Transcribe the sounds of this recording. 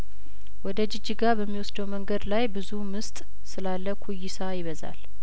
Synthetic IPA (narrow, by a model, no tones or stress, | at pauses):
wɔd̪əd͡ʒɪd͡ʒːiɡabəmːiwɔsd̪əwməŋɡəd̪lajbɨzumɨst̪ʼ | sɨlalːəkʰujːɪsajɪβəza̰l